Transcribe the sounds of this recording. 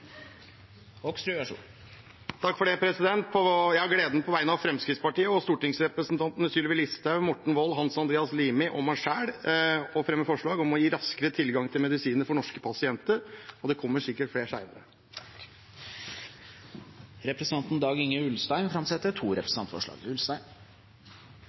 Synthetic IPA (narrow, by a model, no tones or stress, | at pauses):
ɔkst̪ɾʉæʂṵ | t̪ʰɑkːfɔɖeːpʰɾɛsɪd̪ɛnt̪̚pʰɔjæɪhɑɡleːd̪nəpʰɔʋæɪnɑʋfɾɛmskɾɪt̪spɑʈiːəɔst̪uːʈɪŋsɾɛpɾəsnt̪ʰɑnt̪nəsyːlɪʋɪlɪst̪əmɔʈːɳ̩ʋɔlːɦɑnsɑnd̪ɾeːɑsliːmɪʔɔmɑʂæːɽɔfɾɛmːəfɔʂɭɑːɡɔmɔjiːɾɑskəɾət̪ʰɪlɡɑŋt̪ʰɪlmɛd̪ɪsiːnəɾfɔɳɔʂkə̥pʰɑsɪɛnt̪əɾɔd̪ɛkʰɔmːəʂɪkːəʈfleːʂæɪnəɾə | ɾɛpɾsnɑnt̪n̩d̪ɑːɡɪŋəʉlst̪æɪnfɾɑmsɛt̪ːət̪ʰuːɾɛpɾəsnɑnfɔ̰ʂɭɑ̰ːɡʉlst̪æɪn